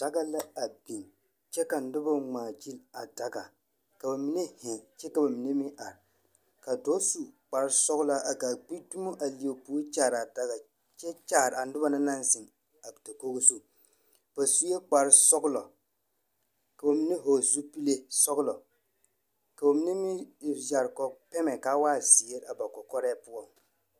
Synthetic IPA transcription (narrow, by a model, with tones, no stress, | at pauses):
d̥a˦ɡa˦la˦a˨bi˨n | t͡ʃɛ˦ka˨n̩˦dʊ˦ba˦ŋ͡maː˨d͡ʒi˦la˨da˨ɡa˨ | ka˨ba˨mi˦ne˦hɪ˨t͡ʃɛ˦ka˨ba˨mi˨˦ne˦mi˦ʔa˨ɾ | ka˨do˦su˨k͡pa˨ɾsɔ˦ɣʊ˦la˦ʔa˨ɡa˨k͡pi˦tu˦mo˦ʔa˨li˨o˨puː˦t͡ʃaː˦˨ɾa˨da˦ɡa˨ | t͡ʃɛ˦t͡ʃaː˦˨ɾa˨n̩˦dʊ˦ba˦na˦na˦nzɪ˨ŋ | a˨ta˨ko˦ɡo˦su˦ | b̥a˨su˦je˦k͡pa˨ɾsɔ˦ɡʊ˦lɔ˨ | ka˨ba˨mi˦ne˦ɦo˨zu˦pi˦le˦sɔ˦ɡʊ˦lɔ˨ | ka˨ba˨mi˦ne˦mi˦˨d͡ʒa˨ɾkɔ˨pɛ˦mɛ˨ka˦waː˦zi˨e˦ɾa˨ba˨kɔ˨kɔ˦ɾɛː˦pʊ˦ɔ˨m